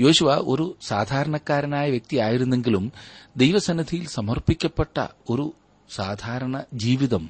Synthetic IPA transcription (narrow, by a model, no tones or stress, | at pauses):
jo̞ːɕuʋɐo̞̰ɾusaːd̪ʱaːɾɐɳɐkːaːɾɐnaːjɐʋjek̚t̪ijaːjiɾunːe̞ŋɡilumd̪ejʋɐsɐnɐd̪ʱijilsɐmɐrpikʲːɐpːeʈːɐ̰o̞ɾu | saːd̪ʱaːɾɐɳɐd͡ʑiːʋiðɐm